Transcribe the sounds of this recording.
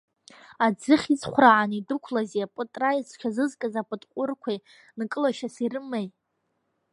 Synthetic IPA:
ad͡zɨχʲizχʷraʕanidɨkʷʰlaziapʼɨtʼrajit͡sʰkʲʷʰazɨzkʼazapʼɨtʼqʷʼʊrkʷʰaj | nkʼɨlaʃasirɨmaj

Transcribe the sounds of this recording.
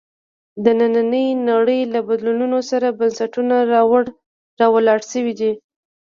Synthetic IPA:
d̪ənananəjnaɽəjlabad̪lununosaɾabansaʈunawaɽ | ɾɑwəlɑɽʃəwid̪i

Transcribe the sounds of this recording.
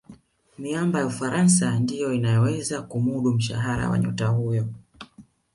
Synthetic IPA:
miambajaufaɾʔansandijɔinajɔwɛzakumuɗum̩ʃa̰ɦaɾa̰wa̰ɲṵtahujɔ

